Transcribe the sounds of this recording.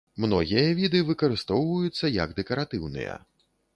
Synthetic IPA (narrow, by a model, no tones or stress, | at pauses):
mnɔɣʲijɐvʲid̪ɨvɨkɐɾɨst̪ɔwvɐjut̪sːɐjɐ̰ɡd̪ɛkɐɾat̪ɨwnɨ̰jɐ̰